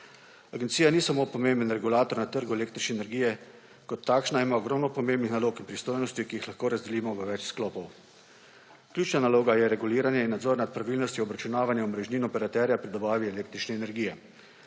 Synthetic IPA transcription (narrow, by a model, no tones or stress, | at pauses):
aɡnt̪sijanisamoːpɔmembənɾɛɡulaːt̪ɔɾnat̪əɾɡueleːkt̪ɾit͡ʃnɛnɛɾɡijɛ | kɔt̪ʰːaːkʃnaimaɔɡɾɔwmnɔpɔmembnixnaloːkinpɾist̪oːjnɔst̪jikijixlaxkoːɾazd̪ɛliːmɔʋəʋɛt͡ʃsklɔːpɔw | klʲjuːt͡ʃnanaloːɡajɛɾɛɡuliːɾanjɛinːad̪zɔɾnat̪̚pɾaʋilnɔst̪jiɔbɾat͡ʃunaːʋanjɛɔmɾɛʒniːnɔpɛɾat̪ɛɾjapɾid̪ɔbaːʋiɛleːk̚t̪ɾit͡ʃnɛːnɛɾɡiːjɛ